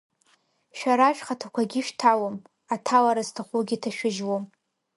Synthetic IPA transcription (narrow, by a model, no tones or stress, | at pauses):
ʃᶣaɾaʃᶣχatʰakʷʰaɡʲɪʃtʰawom | atʰawaɾaztʰaχʷuɡʲitʰaʃᶣɪʒwom